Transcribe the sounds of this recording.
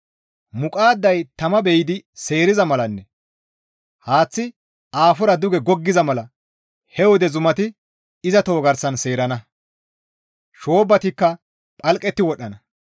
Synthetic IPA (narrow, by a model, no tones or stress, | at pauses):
mʊkʼaːd̪ːɐjt̪ɐmɐbɛjɪd̪ɪse̞ːɾɪzɐmɐlɐnːɛ | haːt͡sːɪ | aːfɔɾɐd̪ʊɡɛɡɔɡːɪzɐmɐlɐ | hɛwɔd̪ɛzʊmɐt̪ɪ | ɪzɐt̪o̞ːɡɐɾsɐnse̞ːɾɐnɐ | ʃo̞ːbːɐt̪ɪkːɐ | pʼɐlkʼɛt̪ːɪwɔɗːɐnɐ